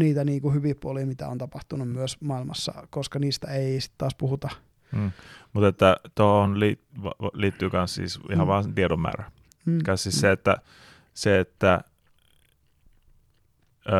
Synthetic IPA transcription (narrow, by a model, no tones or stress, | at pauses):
niːt̪æniːkuhyʋipːuoliːmit̪æ̰o̰nt̪ɑpɑht̪unummyøsmɑilmɑ̰sːɑ̰koskɑniːst̪æeisi̥t̪t̪ːɑːspuhut̪ɑ | mut̪et̪ːæt̪oonliːʋɑliːt̪ːyːkɑnssḭːsihɑʋʋɑːt̪ietomːæ̰ːræ | kɑnssiːsseet̪ːæ | seet̪ːæ